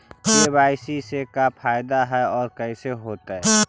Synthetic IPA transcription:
ebaːɪsisekapʰaːjɪd̪aɦɛɔːɾkəɪseɦoːt̪ɦɛ

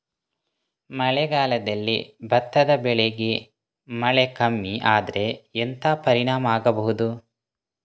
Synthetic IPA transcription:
mɐɭɛɡaːlɐd̪ɐlːḭbʱɐt̪ːɐd̪ɐbɛɭeɡe | mɐɭekɐmːiʔaːd̪ɐɾe̞ent̪ʰaːpɐɾiɳaːmɐaːɡɐbɐɦud̪u

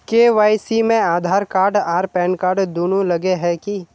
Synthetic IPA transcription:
keːʋaːjsimẽaːd̪ʱaːɾkaːɾɖaːɾpɛ̃ːnkaːɾɖd̪oːnulɐɡeɦɛki

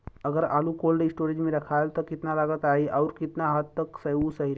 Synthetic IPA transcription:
əɡəɾa̰ːlukoːlɖɪsʈoːɾed͡ʒmẽɾɐkʰaːjlt̪ɔkɪt̪nalaɡət̪aːɦiʔaʊɾkɪt̪naɦat̪ːəksɐɦusəɦiɾ

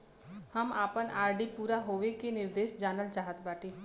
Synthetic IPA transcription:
həmaːpənʔaːɾɖiːpuːɾaːɦoːʋekenɪɾd̪eːʃd͡ʒaːnəlt͡ʃaːɦət̪baːʈiː

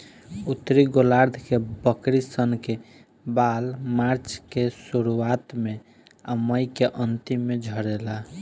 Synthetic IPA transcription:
ut̪ːɾiɡolaɾd̪ʱkebəkɾisənke | balmaɾt͡ʃkesuɾuat̪me | əməjkeʔənt̪imːed͡ʒʱəɾela

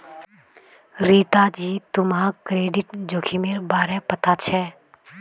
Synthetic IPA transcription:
ɾiːt̪aːd͡ʒiːt̪ʊmãkɾeːɖɪʈd͡ʒoːkʰiːmeːɾbaːɾɛːpət̪at͡ʃʰɛː

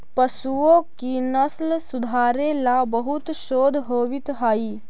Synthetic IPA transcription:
pɐsuõkinɐslsʊd̪ʱaːɾelabəɦʊt̪ʃoːd̪ʱɦoːʋɪt̪ɦaːiː

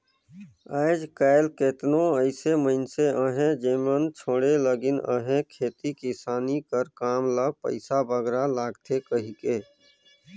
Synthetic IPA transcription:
əːd͡ʒkaɪlket̪nõəɪseməɪnseə̃ɦẽd͡ʒeːmənt͡ʃʰoːɽeləɡɪnə̰̃ɦẽkʰeːt̪ikɪsaːnikəɾkaːmləpə̰ɪsabʱəɡɾalaːɡt̪ʰekəɦikeː

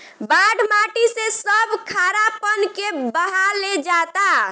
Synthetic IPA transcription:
baɖmaʈisesəbʱkʰaɾapənkebəɦaled͡ʒat̪a

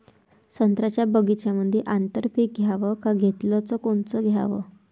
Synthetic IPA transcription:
sənt̪ɾat͡ɕjabəɡit͡ɕjaməd̪ʱjeʔant̪əɾpiːk̚ɡʱjaʋəkaɡʱet̪lət͡səkoɳt͡səɡʱja̰ʋə̰

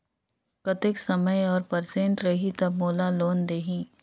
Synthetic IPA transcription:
kɐt̪ɪksɐməjɔːɾpɐɾsẽːɳʈɾɐɦit̪ɐbmoːlaloːnd̪eːɦĩː

